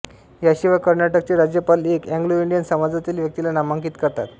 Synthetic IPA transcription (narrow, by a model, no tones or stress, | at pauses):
jaɕiʋajkəɾnaʈək̚t͡ɕeɾad͡ʑjəpalekɛ̃ŋɡloiɳɖijənsəmad͡zat̪iːlʋjək̚t̪ilanamaŋkiːt̪kəɾt̪a̰t̪